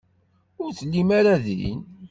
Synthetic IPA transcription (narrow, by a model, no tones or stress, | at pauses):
ʊɾθəlːimaɾaðḭn